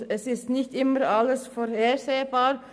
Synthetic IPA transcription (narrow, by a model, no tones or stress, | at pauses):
ɛsɪst̪nɪçt̪ɪməɾɑləsfɔɾheːɾseːbɑːɾ